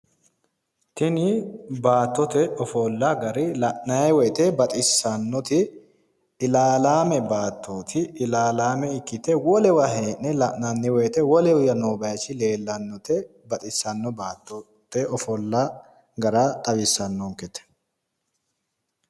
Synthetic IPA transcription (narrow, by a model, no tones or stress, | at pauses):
t̪ɪnɪbaːt̪ːɔt̪ɛɔfɔlːaɡɐɾɪlɐʔnɐjɛwɛjt̪ɛbɐt̪ʼɪsːɐnːɔt̪ɪː | laːlaːmɛbaːt̪ʰːoːt̪ʰɪɪlaːlaːmɛɪkːɪt̪ɛwɔlɛwɐɦeːʔnɛlɐʔnɐnːɛwɛjt̪ɛwɔlɛʊjɐnoːbɐjɐt͡ʃːɪle̞ːlːɐnːɔt̪ɛ | bɐt̪ʼɪsːɐnːɔbaːt̪ːɔ | t̪ɛʔɔfɔlːa | ɡɐɾat̪ʼɐbɪsːɐnːoŋkɛt̪ɛ̥